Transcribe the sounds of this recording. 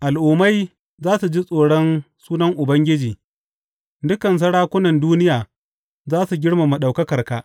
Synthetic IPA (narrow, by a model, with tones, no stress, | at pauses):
ʔa˨lʔʊː˨ma˦j | zaː˦su˨d͡ʒi˦sʼoː˨ɽɔ˦nsuː˦nɐ˦ŋʔʊ˨bɐ˦ŋɡʲɪ˦d͡ʒiː˨ | dʊ˦kɐ˨ns̬ɐ˦ɽaː˦kʷʊ˦nɐ˨nduː˦nɪ˦jaː˨ | zaː˦su˨ɡʲɪ˦ɽma˨mu˨ɗa˨wkɐ˦kɐ˨rka˨ʔ